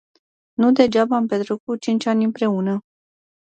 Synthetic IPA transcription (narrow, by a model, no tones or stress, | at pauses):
nud̪e̞d͡ʒabaːmpet̪ɾukut͡ʃint͡ʃʲanʲɨmpɾe̞unə